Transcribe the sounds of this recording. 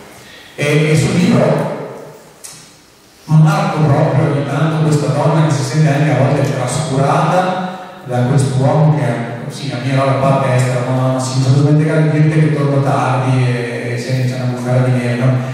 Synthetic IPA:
eesuoliːbɾo | mmarkopɾɔːpɾjoint̪ant̪okwest̪ad̪ɔnːakesisɛnt̪eaŋkeavɔlt̪et̪ɾaskuɾaːt̪ad̪akwest̪owɔːmokea | silamːiaɾɔbakaːpːɛst̪ɾamasiosonut̪oment̪̬ekɾanment̪eket̪ːornot̪ard̪ieː | sɛnit͡ʃanamusaɾad̪inɛnɔ

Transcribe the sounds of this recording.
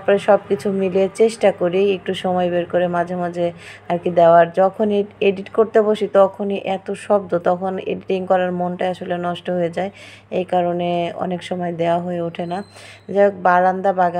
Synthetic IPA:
pɔɾeʃɔb̚kit͡ɕʰumilet͡ɕeʃʈakoɾiek̚ʈuʃɔmɔjbeɾkoɾemad͡ʑʱemad͡ʑʱeaɾkid̪eoaɾd͡ʑɔkʰonieɖiʈkoɾt̪eboʃit̪ɔkʰoniʔɛt̪oʃɔb̚d̪ot̪ɔkʰonḛɖiʈiŋkɔɾaɾmonʈaeaʃolenɔʃʈoɦojed͡ʑae | ejkaɾoneɔ̰nekʃɔmɔed̪eoaɦoeuʈʰenad͡ʑek̚baɾand̪abaɡa

